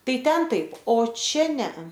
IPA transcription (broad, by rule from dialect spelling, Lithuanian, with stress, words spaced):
ˈtɐɪ ˈtʲɛn ˈtɐɪp oː ˈt͡ʃʲɛ ˈnʲɛɐ